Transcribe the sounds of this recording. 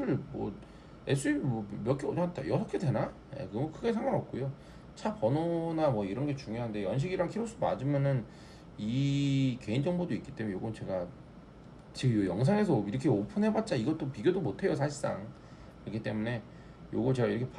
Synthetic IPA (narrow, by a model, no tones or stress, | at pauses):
ɯɭmwʌ̰ | es͈ʰɯimwʌmjʌk͈eod͡ʑaat̚t͈ʰa̰jʌsʰʌkʰedwe̞najḛkɯɡʌkɯɡe̞s̬ʰeŋɡaŋʌp̚k͈ojo | t͡ɕʰapʌnonamwʌiɾʌnɡe̞t͡ɕuŋjoɦande̞jʌnɕ̬ʰiɡiɾaŋkʰiɾoɭs͈udma̰d͡ʑimjʌnɯn | ike̞ind͡ʑʌŋbodoik͈i̥t͈emunejoɡɯnt͡ɕe̞ɡa | t͡ɕijojʌŋs̬ʰaŋe̞s̬ʰʌiɾʌkʰe̞opʰɯnɦebat̚t͡ɕ͈aiɡʌt͈opiɡjodomotʰe̞josʰaɕʰis͈a̰ŋ | iɾʌkʰit͈e̞mune̞ | joɡʌt͡ɕe̞ɡaiɾʌkʰep